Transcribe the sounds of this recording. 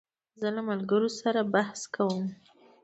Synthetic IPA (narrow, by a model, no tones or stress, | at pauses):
zəlamalɡəɾosaɾabahskawəm